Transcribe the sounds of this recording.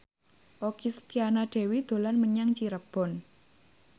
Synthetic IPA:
ʔokist̪ianaɖ̥e̤wid̪̥o̤lanməɲaŋt͡ʃiɾəb̥ɔ̤n

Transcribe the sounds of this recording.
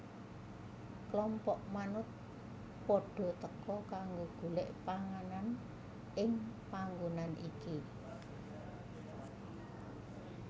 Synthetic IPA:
klɔmpɔʔmanʊt̪̚ | pɔɖ̥ɔ̤t̪əkɔkaŋɡoɡ̥ṳlɪʔpaŋanan | ɪŋpaŋɡonanʔḭki

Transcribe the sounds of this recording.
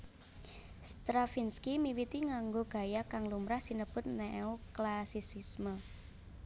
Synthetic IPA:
st̪ɾafinskimiwit̪iŋaŋɡoɡ̥ä̤jakaŋlumɾahsinəb̥ʊ̤t̪̚nɛoklasisismə

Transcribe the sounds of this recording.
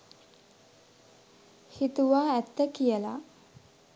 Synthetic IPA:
hit̪uʋaːæt̪ːəkijəla̰

